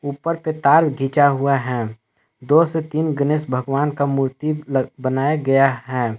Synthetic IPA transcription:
uːpəɾpet̪aːɾɡʱiːt͡ʃaɦuaɦɛ̃ː | d̪oːset̪iːnɡənesbʱəɡʋaːnkamuːɾt̪ibənaːjaɡɐjaɦɛ̃ː

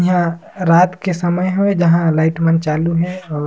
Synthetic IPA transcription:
ɦã | ɾaːt̪kesɐməjɦoed͡ʒɐɦãlaːɪʈmɐ̃nt͡ʃaːluɦɛɔː

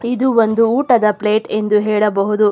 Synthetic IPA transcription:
id̪uʋond̪uːʈɐd̪ɐpleːʈe̞nd̪uɦɛːɭɐbɐɦud̪u

